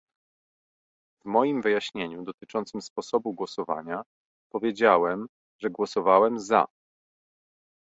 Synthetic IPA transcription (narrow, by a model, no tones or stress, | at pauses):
vmɔjimvɘjaɕɲeɲud̪ɔt̪ɘt͡ʂɔnt̪sɘmspɔsɔbuɡwɔsɔva̰ɲa | pɔvʲjed͡ʑawɛm | ʐɛɡwɔsɔvawɛmza̰